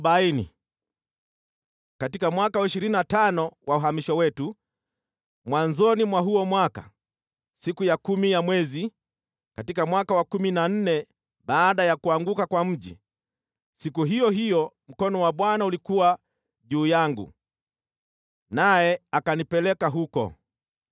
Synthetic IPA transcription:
ɓainḭ | katikamwakawaiʃiɾininatanɔwʔauɦamiʃwawɛtu | mwanzɔnimwaɦuɔmwaka | sikujakumijamwɛzi | katikamwakawakuminan̩nɛ | ɓaːɗajakuaŋɡukakwam̩ʄḭ | sikuɦijɔɦijɔm̩kɔnɔwaɓwanaulikuwa | ʄuːjaŋɡṵ | najɛakanipɛlɛkaɦukɔ̰

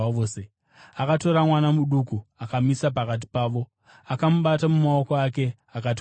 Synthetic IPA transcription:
oːse | akato̞ɾamwanamuɗukuakamisapakat̬i̥paːʋo̞ | akamuɓatamumao̞koake̞ | akat̬

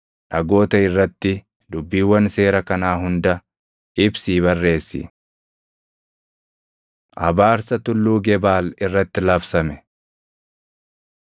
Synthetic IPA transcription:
ᶑɐɡo̞ːt̪ɐɪrːɐt̪ːɪ | d̪ʊbːiːwːɐnse̞ːɾɐkɐnaːɦʊnd̪ɐ | ɪbsiːβɐrːe̞ːsːɪ̰ | ʔɐ̰baːɾsɐt̪ʊlːuːɡɛbaːlɪrːɐt̪ːɪlɐfsɐmɛ

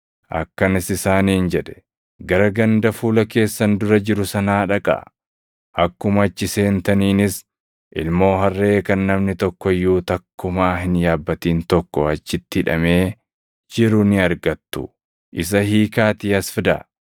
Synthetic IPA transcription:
ʔɐ̰kːɐnɪsɪsaːniːnd͡ʒɛᶑɛ̥ | ɡɐɾɐɡɐnd̪ɐfuːlɐke̞ːsːɐnd̪ʊɾɐd͡ʒɪɾʊsɐnaːᶑɐkʼɐ̰ | ʔɐkːʊmɐɐt͡ʃːɪse̞ːnt̪ɐniːnɪs | ʔɪlmo̞ːɦɐrːe̞ːkɐnːɐmnɪt̪ɔkːɔjːuːt̪ɐkːʊmaːɦɪnjaːbːɐt̪iːnt̪ɔkːɔɐt͡ʃːɪt̪ːɪᶑɐ̰me̞ː | d͡ʒɪɾʊnɪɐɾɡɐt̪ːʊ̰ | ʔɪs̬ɐhiːkaːt̪iɐsfɪd̪ɐ̰

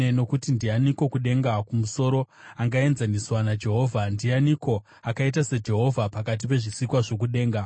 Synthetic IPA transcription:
eno̞kutindianiko̞kuɗe̞ŋɡakumuso̞ɾo̞ | aŋɡae̞nzaniswanad͡ʒe̞ɦo̞ːvʱandianiko̞ | akait̬ased͡ʒe̞ɦo̞vʱapakat̬ipe̞ʐisikwaʐo̞k̬uɗe̞ːŋɡa

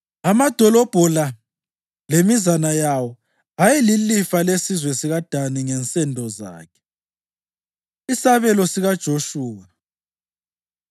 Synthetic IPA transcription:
amad̥ʱɔlɔb̥ʱɔla | lemizanajawɔ | ajɛlilifalesizwɛsiɣad̥ʱaniŋɛnt͡sʼɛndʱɔza̰ːkʰɛ̥ | isaβɛlɔsiɣad̥ʒ̥ʱoʃuːwa

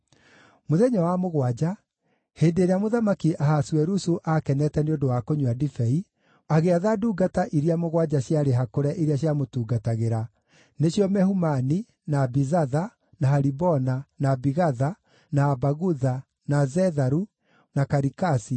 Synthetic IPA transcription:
moðɛɲɔwamoɣwad͡ʑa | heːndeːɾeamoðamakiʔahaswɛɾusuʔakɛnɛtɛneondowakoɲuadifɛi | aɣeaðaduːɡataʔiɾiamoɣwad͡ʑaɕjaɾeɦakoɾɛʔiɾiaɕjamotuːɡataɣeɾa | neɕjɔmɛhumani | naːbizaða | nahaɾibɔnanabiɣaða | naːbaɣuða | nazɛðaɾu | nakaɾikasi

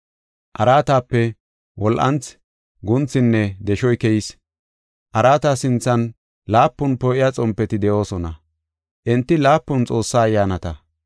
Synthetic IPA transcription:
ʔɐɾaːt̪aːpːɛ | wʔɔlʔɐ̰nt͡s | ɡʊnt͡sːɪnːɛd̪ɛʃɔjkɛjɪs | ʔɐɾaːt̪asɪnt͡sːɐn | laːpːʊnpɔʔɪjat͡sʼɔmpːɛt̪ɪd̪ɛʔo̞ːsɔnɐ̰ | ʔɛnt̪ːɪlaːpːʊnt͡sʼo̞ːsːaːjːaːnɐt̪ɐ

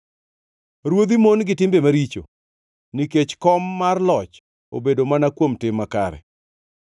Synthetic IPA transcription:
ɾwod̪imonɡɪtɪmbemaɾit͡ʃo̰ | niket͡ʃkɔmːarlɔt͡ʃ | o̰bedomanakwomtɪmːakaɾɛ̰

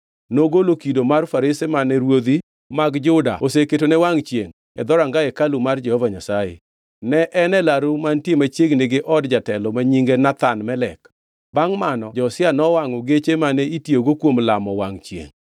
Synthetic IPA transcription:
noɡolokidomarfaɾɪsemanɛɾwod̪i | maɡd͡ʒʊda̰oseketonɛwaŋt͡ʃjḛŋ | ɛ̰d̪ɔɾaŋɡaekalumard͡ʒɛhɔvaɲasajḛ | nɛʔɛnɛlaɾumantjemat͡ʃeɡneɡeʔɔdd͡ʒatɛlɔmaɲiŋɡenat̪anmɛlɛk | baŋmanɔd͡ʒɔsɪanɔwaŋɔɡet͡ʃemanɛitjoɡokwomlamɔwaŋt͡ʃjḛŋ

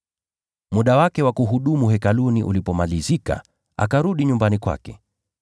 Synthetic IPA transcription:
muɗawakɛwakuɦuɗumuɦɛkaluniʔṵlipɔmalizika̰ | a̰kaɾuɗiɲumbanikwa̰kɛ

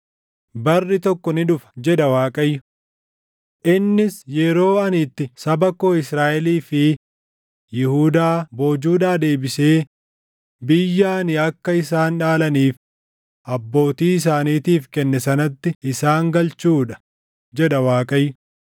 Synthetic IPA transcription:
bɐrːɪt̪ɔkːɔnɪᶑʊfɐ̥d͡ʒɛᶑɐwaːkʼɐjːʊ | ʔɪnːɪsjɛɾo̞ːɐnɪt̪ːɪsɐbɐko̞ːɪsɾaːʔɛliːfɪ | jɪhuːd̪aːbo̞ːd͡ʒuːᶑaːd̪e̞ːbɪse̞ː | bɪjːaːnɪɐkːɐɪs̬aːnᶑaːlɐniːf | ʔɐbːo̞ːt̪iːɪs̬aːniːt̪iːfkɛnːɛsɐnɐt̪ːɪɪsaːŋɡɐlt͡ʃuːᶑɐ̥ | d͡ʒɛᶑɐwaːkʼɐjːʊ

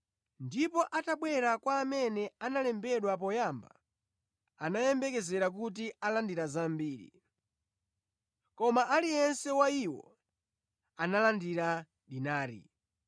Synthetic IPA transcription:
ndipɔʔataɓwɛɾakwaːmɛnɛanalɛmbɛɗwap̬ɔjamba̰ | anajɛmbɛkɛzɛɾak̬ut̬ialandiɾazambiːɾḭ | kɔmaʔalijɛnsɛwaiwɔ̰ | analandiɾa | ɗinaːɾḭ

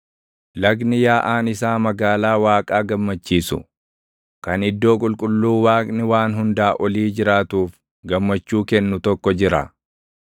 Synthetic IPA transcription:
lɐɡnɪjaːʔaːnɪsaːmɐɡaːlaːwaːkʼaːɡɐmːɐt͡ʃːiːsʊ̰ | kɐnɪd̪ːo̞ːkʼʊlkʼʊlːuːwaːkʼnɪwaːnɦʊnd̪aːʔɔliːd͡ʒɪɾaːt̪uːf | ɡɐmːɐt͡ʃːuːkɛnːʊt̪ɔkːɔd͡ʒɪɾɐ̰

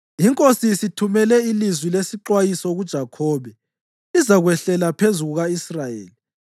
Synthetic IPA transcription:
iŋkʼosisitʰumɛlɛilizwilesiǃwajisɔɣud̥ʒ̥ʱakʰɔːβɛ | izaɣwɛɬɛlapʰezuɣuɣaisrajḛːli

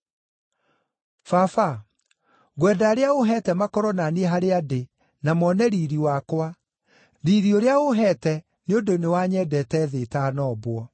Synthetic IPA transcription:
fafa | ɣwɛːdaːɾeaoɦɛtɛmakɔɾɔnaniɛɦaɾeade | namɔnɛɾiɾiwakwa | ɾiɾioɾeaoɦɛtɛ | neondonewaɲɛdɛtɛðetanɔːbwɔ

